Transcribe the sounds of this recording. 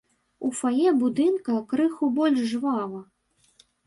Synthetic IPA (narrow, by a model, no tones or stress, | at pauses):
ufajɛbud̪ɨnkɐkɾɨxubɔlʲʐʐvalˠɐ